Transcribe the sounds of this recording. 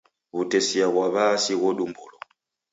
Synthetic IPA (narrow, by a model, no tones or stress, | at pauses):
βutɛsiaɣwaβasiɣɔɗumbulɔ